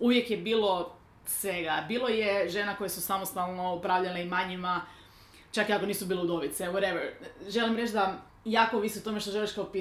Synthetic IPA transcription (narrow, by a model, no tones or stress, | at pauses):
uʋje̞kjebiːlˠo̞ | sʋe̞ɡabiːlˠo̞jeʒenako̞jesusamost̪alˠnoopɾaːʋʎaneimaɲima | t͡ʃakiako̞niːsubiːleud̪o̞ʋit̪sewoɾeʋɛɾʒe̞limɾet͡ʃd̪a | jaːko̞ʋisiut̪o̞meʃt̪oʒe̞liʃkaopi